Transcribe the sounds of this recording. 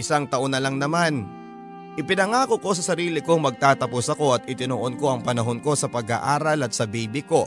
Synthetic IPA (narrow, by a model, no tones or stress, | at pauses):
ɪsaŋt̪ɐʔo̞nɐlɐŋnɐman | ʔɪpɪnɐŋaːko̞ko̞s̬ɐsɐɾiːlɪko̞ŋmɐɡ̚t̪aːt̪ɐposɐko̞ʔɐt̪ɪt̪ɪnoʔonko̞ʔɐŋpɐnɐɦo̞nko̞sɐpɐɡa̰ʔaːɾɐlɐt̪̚sɐbiːbɪko̞